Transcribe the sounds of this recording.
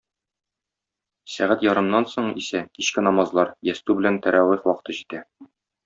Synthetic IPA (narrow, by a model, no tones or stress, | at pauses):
sæʁæt̪jɒɾɤ̆mnɑnsoɴisækiɕkɘnɒmɑzlˠɑɾjæst̪ʉbɘ̆lænt̪æɾʔæwiqwɒqɤ̥̆t̪ɤʑit̪æ